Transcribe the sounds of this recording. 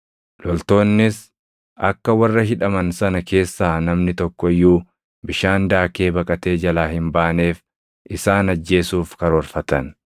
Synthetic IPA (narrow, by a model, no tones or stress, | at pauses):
lɔlt̪o̞ːnːɪs | ɐ̰kːɐwɐrːɐɦɪᶑɐmɐnsɐnɐke̞ːsːaːnɐmnɪt̪ɔkːɔɪjːuː | bɪʃaːnd̪aːke̞ːbɐkʼɐt̪e̞ːd͡ʒɐlaːhɪmbaːne̞ːf | ʔɪsaːnɐd͡ʒːe̞ːsuːfkɐɾɔɾfɐt̪ɐn